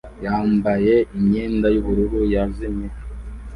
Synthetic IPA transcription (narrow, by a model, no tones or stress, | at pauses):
jaːmbaje̞imɲeːndajuβuɾuɾujaziɲe